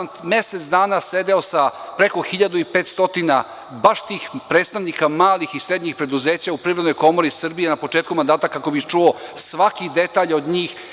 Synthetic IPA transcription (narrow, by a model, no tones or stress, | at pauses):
nt̪mje̞set̪sd̪aːnase̞d̪eosapɾe̞ko̞xiʎad̪uipeːt̪st̪o̞t̪ina | baʃt̪iːxpɾeːt̪st̪aʋnikamaːlixisɾed̪ɲixpɾe̞d̪uzeːt͡ɕaupɾiʋɾed̪nojko̞mo̞ɾisr̩bije̞napo̞t͡ʃeːt̪kumand̪aːt̪akako̞bixt͡ʃuosʋakid̪e̞t̪aːʎod̪ɲiːx